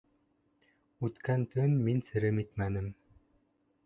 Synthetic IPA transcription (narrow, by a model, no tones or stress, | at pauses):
ʉt̪kænt̪ɵnminsɘ̆ɾɘmit̪mænɘm